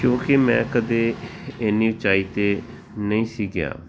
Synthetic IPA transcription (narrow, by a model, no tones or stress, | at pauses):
kjõːkemɛ̃ːkəd̪eːɪnːiːbɪt͡ʃaːiːt̪eː | nəĩːsiːɡɪja̰ː